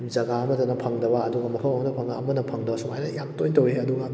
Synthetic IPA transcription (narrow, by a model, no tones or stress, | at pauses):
zɐɡaɐmɐtɐnɐpʰɐŋdɐbaːduɡɐmɐkʰɐwɐmɐnɐpʰɐŋnɐːmɐnɐpʰɐŋdɐbɐsumajnɐjamtojtɐwɾeɐduɡɐ